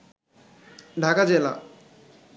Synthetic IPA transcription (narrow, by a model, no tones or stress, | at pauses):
ɖʱakad͡ʑela̰